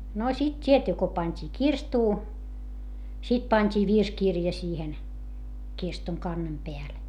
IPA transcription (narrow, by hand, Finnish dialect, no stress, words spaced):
no sit tʲietːy ko pɑnʲtʲiː kirstuː sit pɑnʲtʲiː ʋirskirjɑ siːhen kirstuŋ kɑnːem peæl